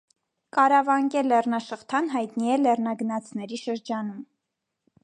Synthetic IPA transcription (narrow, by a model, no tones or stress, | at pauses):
kɑɾɑvɑŋkɛlɛrnɑʃəχt̪ʰɑnɦɑjt̪niɛlɛrnɑɡənɑt͡sʰnɛɾiʃəɾd͡ʒɑnum